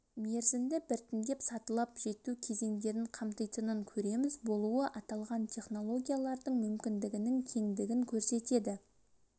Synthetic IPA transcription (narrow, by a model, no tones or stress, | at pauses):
me̞ɾzɪnd̪ɪbɪɾt̪ʰɪnd̪e̞psɑt̪əlˠɑpʒe̞t̪ukʲʰe̞ze̞ŋd̪e̞ɾɪɴqʰɑmt̪əjt̪ənəŋkʲʰɵɾe̞mɪzbo̞lˠuəʔɑt̪ɑlˠʁɑnt̪ʰʲe̞χno̞lˠo̞ɡʲijalˠɑɾd̪əɴmʏmkʲɪnd̪ɪɡʲɪnɪŋt̪ʲʰe̞ŋd̪ɪɡʲɪŋkʲʰɵɾse̞t̪e̞d̪ɪ